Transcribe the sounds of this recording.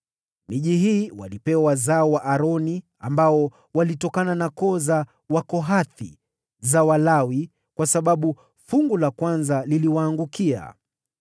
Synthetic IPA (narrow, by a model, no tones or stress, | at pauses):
miʄiɦiːwa̰lipɛwazaɔwaʔaɾɔni | ambaɔ | walitɔkananakɔza | wakɔɦaθḭ | zawalawi | kwasaɓaɓu | fuŋɡulakwanzaliliwaːŋɡukia̰